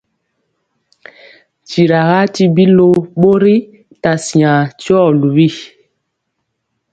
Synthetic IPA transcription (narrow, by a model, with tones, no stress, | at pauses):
t͡ʃi˨ɾa˨ɣa˦ti˦bi˦lo˦ɓo˦ɾi˦ | ta˨si˨ã˨ti˦ɔ˦˨lu˨wi˦˨